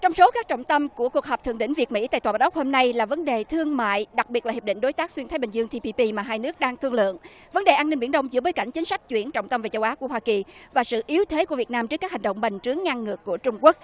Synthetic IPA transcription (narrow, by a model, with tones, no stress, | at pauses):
t͡ɕɔ˧wŋ͡mso˨˦kaː˦˥k̚t͡ɕɔ̰˧˨wŋ͡mt̪ə˧mku˧˩əku˨˩ək̚ɦəː˨˩p̚t̪ʰɨ̰˧˨əɗḭ˧˥˦ŋ̟vi˨˩ət̚mḭ˧˥t̪a̰ː˧˨jt̪aː˨˩˨ʔk͡p̚ho˧mna˧jlaː˨˩və˨˦nɗe˨˩t̪ʰɨ˧əŋma̰ː˧˨jɗa˨˩k̚ɓi˨˩t̚lːi˨˩pɗḭ̈˧˨ŋ̟ɗo˨˦jt̪aː˦˥k̚swi˧nt̪ʰa˨˦ɓï˨˩zɨ˧əŋt̪i˧pi˧pi˧maː˨˩ɦaː˧jnɨ˦˥ək̚ɗaː˧ŋt̪ʰɨ˧ŋlɨ̰˧˨əŋ | və˨˦nɗe˨˩ʔaː˧nːi̟˧ɓi˧˩ənɗə˧wŋ͡mzɨ̰˧˥ɓoː˨˦jka̰˧˩jŋ̟t͡ɕï˨˦ŋ̟sa˦˥jk̟̚t͡ɕwi˧˩ənt͡ɕɔ̰˧˨wŋ͡mt̪ə˧mve˨˩t͡ɕə˧wʔaː˨˦ku˧˩əhwaː˧ki˨˩vaː˨˩sɨ̰˧˨ʔi˨˦əwt̪ʰe˨˦ku˧˩əvət̚naː˧mt͡ɕɨ˦˥kːaː˥hi˨˩ŋ̟ɗə̰˧˨wŋ͡mɓe˨˩ŋ̟t͡ɕɨ˨˦əŋːa˧ŋːɨ˨˩əkːu˧˩ət͡ɕʊ˧ŋ͡mku˦˥ək̚